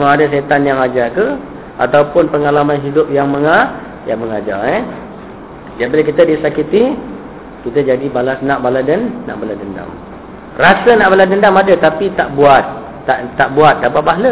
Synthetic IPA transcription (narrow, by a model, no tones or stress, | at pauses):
maadas̬et̪anjaŋad͡ʒakə | a̰t̪awpʊnpəŋalamanɦidʊp̚jaŋməŋa | jaŋməŋad͡ʒa̰ɛ | d͡ʒaʔbiləkit̪ədisakit̪i | kit̪əd͡ʒadibalasnãʔbaladənːa̰ʔbaladənda̰m | rasənaʔbaladəndamadət̪apit̪aʔbuat̪̚ː | aʔt̪ːaʔbuat̪̚dapat̪̚baɦlə